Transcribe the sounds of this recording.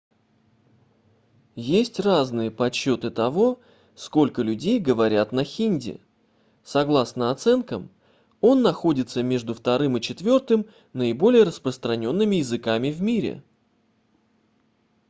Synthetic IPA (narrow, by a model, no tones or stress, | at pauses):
jesʲtʲraznɨjəpɐt͡ɕːo̞t̪ɨt̪ɐvo̞ | sko̞lʲkəlʲʉdʲejɡəvɐɾʲat̪nəxʲinʲdʲɪ̰ | sɐɡlˠasnəɐt̪sɛnkəm | o̞nːɐxo̞dʲɪt̪səmʲe̞ʐd̪ʊft̪ɐɾɨmɨt͡ɕɪt̪vʲo̞rt̪ɨm | nəɪbo̞lʲɪjəɾəspɾəst̪ɾɐnʲo̞nːɨmʲɪjɪzɨkamʲɪvmʲiɾʲɪ̰